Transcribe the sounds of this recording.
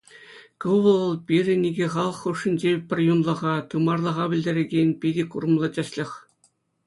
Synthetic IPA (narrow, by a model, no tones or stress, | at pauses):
kɤʋʋɤ̆ɤ̆lˠpʲirʲɘ̆nʲiɡʲeχɑlˠɤ̆χːuʂːɘ̆nʲd͡ʑepʲɘ̆rʲjunlˠɤ̆ʁɑt̪ɯmɑrlˠɤ̆ʁɑbʲɘ̆lʲdʲĕɾʲĕɡʲenʲpʲidʲekurɤ̆mlˠɤt͡ɕʲɑɕlʲɘ̆xʲ